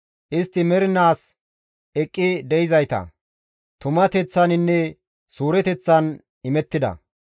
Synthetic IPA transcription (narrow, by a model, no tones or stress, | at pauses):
ʔɪst̪ːɪmɛɾɪnaːs | ɛkʼːɪd̪ɛjɪzɐjt̪ɐ̰ | t̪ʊmɐt̪ɛt͡sːɐnɪnːɛ | suːɾɛt̪ɛt͡sːɐn | ɪmɛt̪ːɪd̪ɐ̰